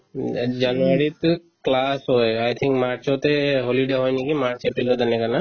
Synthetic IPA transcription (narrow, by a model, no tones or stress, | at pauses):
d͡ʒanuaɹit̪ | klashɔjajt̪ʰiŋkmaɹsɔtɛɦoliɖeɦɔjnikimaɹsepɹilɔd̪anɛkana